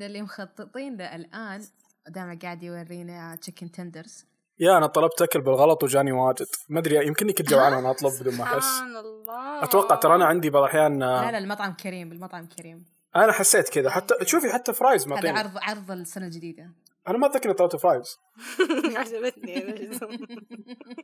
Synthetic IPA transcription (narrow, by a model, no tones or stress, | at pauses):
ɪlːimxɑt̪ˤːɨt̪ˤiːnʔɪlʔaːn | d̪aːmaɡaːʕɪd̪jwɑrːiːnat͡ʃɪkːɪnt̪ʰɛnd̪əɾz | jaʔanat̪ˤɑlɑb̚t̪ʔakʊlbɪlɣɑlɑt̪ˤwd͡ʒaːniwaːd͡ʒɪd̪̥mad̪ɾijɪmkɪnːikɪt̪d͡ʒawʕaːnʔanaʔɑt̪ˤlʊb̚bɪd̪uːlmaħɪsːlːʔat̪awɑqːɑʕt̪ɑɾˤɑʔanaʕɪnd̪ibɑðˤʔaħjaːnlmɑt̪ˤʕɑmkʰaɾiːmɪlmɑt̪ˤʕɑmkʰaɾiːm | ʔanaħasːeːt̪kɪðaħat̪ːat̪ʃuːfiħat̪ːafɾˤɑːjzmaʕˤiːnɾðˤʕɑɾˤðˤɪlsanald͡ʒɪd̪iːd̪a | ʔanamaʔðˤaːkːʔnit̪ˤɑlɑb̚t̪fɾˤɑːjz̥ | sabat̪ni